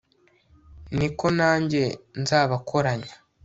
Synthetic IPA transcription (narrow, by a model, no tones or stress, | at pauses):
niko̞naːɲɟe̞nzaːβakʰo̞ɾaɲa